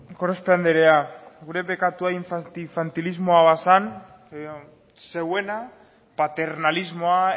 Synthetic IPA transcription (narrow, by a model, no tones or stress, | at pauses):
koɾespeand̪eɾeaɡuɾe̞βekat̪uaiɱfaiɱfant̪ilizmo̞aβasan | se̞we̞na | pat̪e̞ɾnalizmo̞a